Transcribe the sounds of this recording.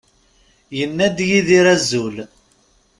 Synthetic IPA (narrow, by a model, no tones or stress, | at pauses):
jənːæd̪jiðiɾæzːul